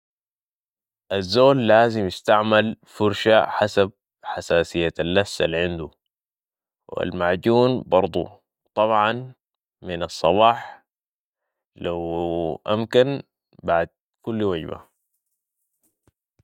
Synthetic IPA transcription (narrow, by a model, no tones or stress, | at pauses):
ʔazːoːlːaːzimjist̪aʕmalfʊɾʃaħasab̚ | ħasaːsijːaalːasːa̰lʕɪnd̪u | wa̰lmaʕɟuːnbɑɾˤd̪ˤṵ | t̪ˤɑβʕɑn | minɑsˤːɑbɑːħ | lawʔamkan | baʕd̪̚ | kulːwaɟba̰